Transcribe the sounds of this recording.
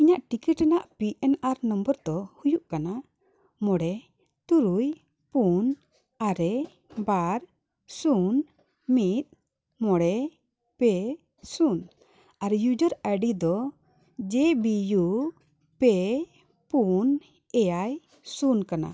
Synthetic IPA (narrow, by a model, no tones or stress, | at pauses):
iɲaʔʈikiʈɛnaʔpiɛnaɾnɔmbəɾt̪ɔhujuʔkana | mɔɽɛ | t̪uɾuj | pun | aɾɛ | baɾ | sun | mit̪̚ˀ | mɔɽɛ | pɛ | sun | aɾjud͡ʒəɾaɖid̪ɔ | d͡ʒɛbiju | pɛ | pun | ɛjaj | sunkana̰